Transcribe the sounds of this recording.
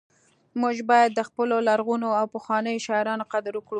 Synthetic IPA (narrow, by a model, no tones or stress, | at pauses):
muʒbɑjad̪ːəxpəlolaɾɣunoawpəxwɑnəjoʃɑɪɾɑnoqad̪ɾukɽu